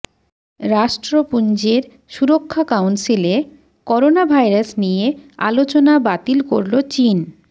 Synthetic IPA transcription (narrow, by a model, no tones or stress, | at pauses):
ɾaʃʈɾopund͡ʑeɾ | ʃuɾokʰːakawnsile | kɔɾonabʱajɾasnijea̰lot͡ɕonabat̪ilkoɾlot͡ɕin